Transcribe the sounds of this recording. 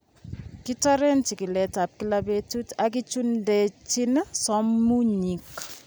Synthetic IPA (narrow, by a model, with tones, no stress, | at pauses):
ki˦tɔ˦ɾe˦nt͡ʃi˨ki˨lɛ˨ta˨p̚ki˦labe˦tu˦tak̬i˦t͡ʃu˦nde˨t͡ʃi˦nsɔ˦mːu˦ɲi˨k